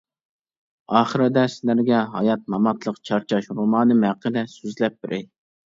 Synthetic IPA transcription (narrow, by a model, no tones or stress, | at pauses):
ɑːχəɾɨd̪ɛslæɾɡʲɛɦɑ̰jɑt̪̚mɑmɑt̪lˠəqt͡ʃʰɑɾt͡ʃʰɑʃɾumɑːnɨmhæqːəd̪ɛsyzlɛp̚bɪɾʔɪ